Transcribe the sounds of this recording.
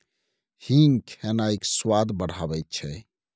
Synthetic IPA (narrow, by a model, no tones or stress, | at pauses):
hiŋkʰɛnaikswad̪bəɽ̤abɛjt̪̚t͡ʃʰɛ